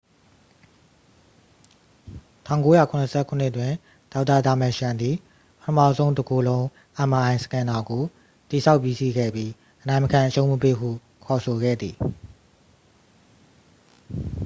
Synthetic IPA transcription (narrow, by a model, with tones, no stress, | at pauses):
tʰã̰˦˨ʊ̃ko˦ja˦˨kʰʊ̃˨nə˨sʰɛ̰˦˨kʰʊ̃˦˨n̥ɪ˦ʔtwɪ̃˨ | d̥a˦ʊtːa˨da˨mɛ̃˨ʃã˨nd̪ði˨ | pətʰəmä̰˦˨zõ˦ʊ̃ndə˨ɡo˨lõ˦ʊ̃ | ʔã˨ma˨ã˨ɪ̃sə̥kʰã˨na˨ɡo˨ | t̪i˨sʰa˦ʊpji˦˨sḭ˦˨ɡɛ̰˦˨bji˦ | ʔə˨nã˨ɪ̃məkʰã˨ʔəʃõ˦ʊ̃məpḛ˦ɦṵ˦˨ | kʰɔ˨so˨ɡɛ̰˦˨d̪ði˨